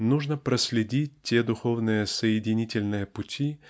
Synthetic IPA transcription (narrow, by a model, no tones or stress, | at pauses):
nuʐnəpɾəsʲlʲɪdʲit̚ʲtʲːed̪ʊxo̞vnɨjəsəjɪdʲɪnʲitʲɪlʲnɨjəpʊtʲʰi